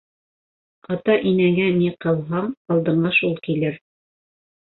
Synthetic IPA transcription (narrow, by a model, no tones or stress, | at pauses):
ɑt̪ɑʔinæŋæniqɤ̆lˠɦɑɴɑlˠd̪ɤ̆ɴɢɑʃulˠkilɘɾ